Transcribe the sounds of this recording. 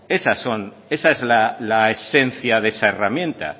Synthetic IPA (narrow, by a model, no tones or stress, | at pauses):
e̞saso̞n | e̞saezlalaesẽ̞nθjaðesaeramjẽ̞nt̪a̰